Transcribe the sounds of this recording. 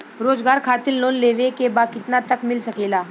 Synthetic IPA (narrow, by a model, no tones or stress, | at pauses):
ɾoːd͡zɡaːɾkʰat̪ilnoːnleʋekebakɪt̪nat̪əkmɪlsəkelaː